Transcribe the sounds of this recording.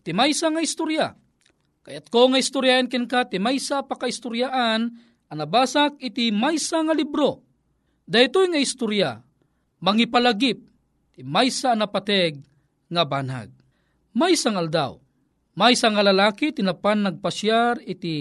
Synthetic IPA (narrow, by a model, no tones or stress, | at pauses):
t̪imajsaŋaist̪uɾja̰ | kajat̪̚koŋaist̪ʊɾjaʔinkɛnkat̪imajsapakaist̪uɾjaʔan | anabaːsak̚ɪt̪imajsaŋalibɾo | d̪ait̪ojŋaist̪uɾja̰ | maŋipalaɡip̚ | t̪imajsaːnapat̪ɛɡ̚ | ŋaba̰ːna̰ɡ̚ | majsaŋaald̪a̰w | majsaŋalɐlaːkit̪inapanːaɡ̚pasjaɾɪt̪i